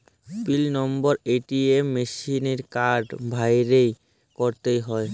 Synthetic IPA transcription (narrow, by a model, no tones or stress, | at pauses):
pilnɔmbɔɾeʈiemːeʃineɾkaɾɖbʱajɾej | koɾt̪ejɦɔe